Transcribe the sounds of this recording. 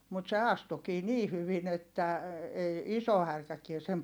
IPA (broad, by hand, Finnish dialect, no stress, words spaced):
mut se ɑstukiː niː hyʋin etːæ ei iso hærkækie sem